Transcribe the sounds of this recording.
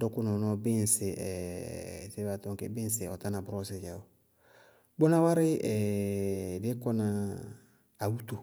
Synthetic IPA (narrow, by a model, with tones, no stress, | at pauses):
dɔ˦kʊ˦nɔ˨nɔ˦bɪ˦n˨sɪ˨ʔɛ̰˨ | se˦ba˨tɔ̃˦ŋkḛ˨bɪ̃˦n˦sɪ˨ɔ˨ta˦na˨bʊ˨ɾɔ˦se˨d͡ʒa˨o˨ | bo˦na˦wa˦ɾɪ˦ɛ˨ | bɪ˦kɔ˦na˨ | a˨wu˦to˨